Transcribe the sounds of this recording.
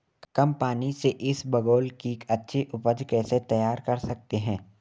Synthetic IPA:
kɐ̃mpaːniseʔɪsbɐɡoːlkikɐtːʃʰeʔʊpəd͡ʒkɛːset̪ɐjaːɾkɐɾsɐk̚t̪eɦɛ̃ː

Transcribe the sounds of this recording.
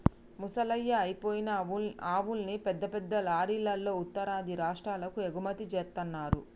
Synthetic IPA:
musɐlɐjːɐːjpoːjinɐaːʋulnipɛd̪ːɐpɛd̪ːɐlaːɾiːlːɐlːo̞ːut̪ːɐɾaːd̪ʱiɾaːʂʈɾaːlɐkueɡumɐt̪it͡ʃɛːɾt̪ːɐnːaːɾṵ

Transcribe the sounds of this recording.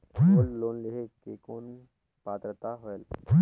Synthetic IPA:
olloːnleɦekekoːn | paːt̪ɾət̪aɦoel

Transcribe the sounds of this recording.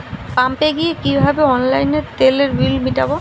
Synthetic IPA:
pampeɡijekibʱabeɔnlajneɾt̪eleɾbilmiʈabo

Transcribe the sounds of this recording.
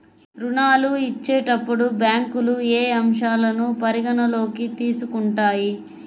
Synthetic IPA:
ɾuɳaːluit͡ʃːeːʈɐpːuɽubjaːŋkulueːɐmʂaːlɐnupɐɾiɡɐnɐlo̞ːkit̪iːsukuɳʈaːji

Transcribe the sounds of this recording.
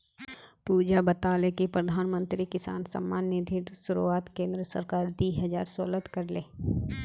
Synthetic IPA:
puːd͡ʒabɐt̪aːlekipɾəd̪ʱaːnmə̃nt̪ɾikɪsa̰ːnsɐ̰mːaːnːəd̪ʱiɾʃʊɾṵaːt̪kẽːnd̪ɾəsə̰ɾkaːɾd̪iːɦəza̰ːɾsolət̪kɐɾleː

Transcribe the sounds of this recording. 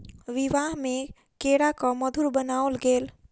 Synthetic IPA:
wiʋaɦme | keɽakʌmʌd̪ʱuɾbənawlɡel

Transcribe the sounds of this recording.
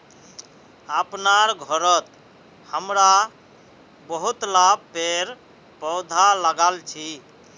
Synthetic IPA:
əpnaɾɡʱɔɾət̪ | həmɾa | bəɦut̪lab̚peɾ | pəwd̪ʱaləɡalt͡ʃʰi

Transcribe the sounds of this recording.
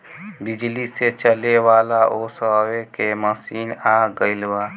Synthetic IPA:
bɪd͡ʒliset͡ʃəlewaːlaʔoːsawekeməsiːnaːɡəɪlwaː

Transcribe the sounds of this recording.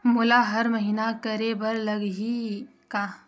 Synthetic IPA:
mʊlaɦɐɾmɐɦiːnakɐɾebɐɾlɐɡɦi | kaː

